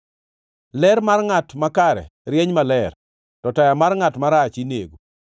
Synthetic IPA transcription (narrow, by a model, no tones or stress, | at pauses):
lɛɾmarŋatmakaɾɛ̰ɾjeɲmalɛr | tɔtajamarŋatmaɾat͡ʃinḛɡo